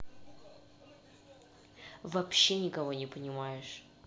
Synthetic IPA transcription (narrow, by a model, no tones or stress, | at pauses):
vɐpɕːenʲɪkɐvo̞nʲɪpənʲɪmajɪʂ